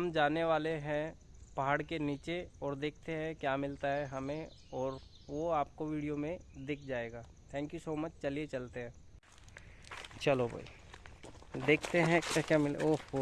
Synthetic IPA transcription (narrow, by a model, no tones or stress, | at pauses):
ɦɐmd͡ʒaːneʋaːleɦɛ̃ | pɐɦaːɽkeniːt͡ʃeɔːɾd̪eːk̚ʰt̪eɦɛ̃kjaːmɪlt̪aɦɛɦɐmẽ | ɔːɾ | ʋoaːp̚koʋiːɽijomẽd̪ɪk̚ʰd͡ʒaːeːɡaː | t̪ʰɛ̃ːŋkjusoːmət͡ʃt͡ʃɐliet͡ʃɐlt̪eɦɛ̃ː | t͡ʃɐloba̰ḭ | d̪eːkʰt̪eɦɛ̃kɛkjamɪl̰oː